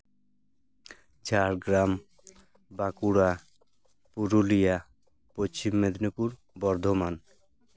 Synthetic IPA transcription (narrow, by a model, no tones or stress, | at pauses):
t͡ɕaɾɡɾam | bakuɽa | puɾulija | pot͡ɕimːed̪nipuɾ | bɔɾd̪ʱoman